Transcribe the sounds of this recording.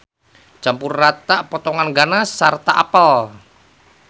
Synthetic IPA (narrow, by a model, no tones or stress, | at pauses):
t͡ʃampurːat̪aʔpɔt̪ɔŋanɡanasart̪aʔapəl